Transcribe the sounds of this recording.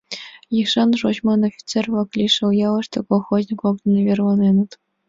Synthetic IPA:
jixʂɑnʐoɕmɑnofʲi̥t͡servɤ̆klʲiʂɤ̆ljɑlˠɤ̆ʂt̪ʲɤ̆kolˠxozʲnʲikoknʲɤ̆lʲevʲerlɑnʲenɤ̆t̪

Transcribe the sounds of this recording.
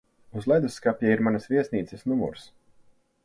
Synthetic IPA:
uzlˠɛjd̪usːkapʲjaiɾmanɐsvʲiɛsniːt̪sɛsnumṵɾs

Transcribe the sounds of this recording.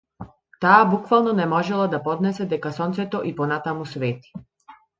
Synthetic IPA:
t̪aːbukvalˠnɔnɛmɔʒɛlˠad̪apɔd̪nɛsɛd̪ɛkasɔnt̪sɛt̪ɔʔipɔnat̪amusvɛt̪i̥

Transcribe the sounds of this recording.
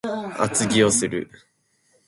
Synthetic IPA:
a̰t͡sɨɡʲio̞sɨɾɯ̟̰

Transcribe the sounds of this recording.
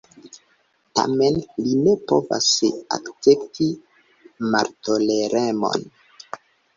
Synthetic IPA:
ta̰menlinepo̰va̰sa̰kt͡septʰi | maɾtoleɾemo̰n

